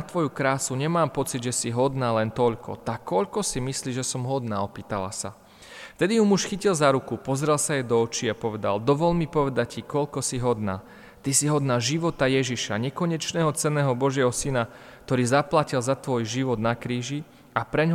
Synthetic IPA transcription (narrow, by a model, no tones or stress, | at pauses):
t̪ʋɔjukɾaːsuɲɛmaːmpɔt͡sid̪ʒɛsiɦɔd̪naːlɛnt̪ɔʎkʰɔ̰t̪akːɔʎkɔsimisliːʒɛsɔmɦɔd̪na̰ːɔpiːt̪ala̰sa̰ | ft̪ɛd̪iɦumuʃxicilzaɾukupɔzɾɛlˠsajɛd̪ɔɔt͡ʃiːapɔʋɛd̪a̰ld̪ɔʋɔlmipɔʋɛd̪ac̚cikɔʎkɔsiɦɔd̪na̰ː | t̪isiɦɔd̪naːʒiʋɔt̪ajɛʒiʃa̰ɲɛkɔɲɛt͡ʃnɛːɦɔt͡sɛnːɛːɦɔbɔʒɪɛɦɔsina | k̚t̪ɔɾiːzaplacilzat̪ʋɔjʒiʋɔd̪nakɾiːʒi | apɾɛɲɦ